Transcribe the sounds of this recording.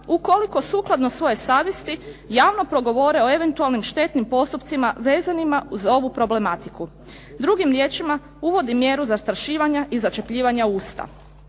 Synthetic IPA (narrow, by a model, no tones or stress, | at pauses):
uko̞liko̞suːklˠad̪no̞sʋo̞je̞saːʋjest̪ijaːʋno̞pɾo̞ɡo̞ʋo̞ɾe̞o̞eʋe̞nt̪ualˠnimʃt̪e̞t̪nimpo̞st̪upt̪simaʋe̞ːzanimauzo̞ʋupɾo̞ble̞mat̪iku | d̪ɾuɡimɾjeːt͡ʃima | uʋo̞d̪imje̞ɾuzast̪ɾaʃiːʋaɲaʔizat͡ʃe̞pʎiːʋaɲauːst̪a̰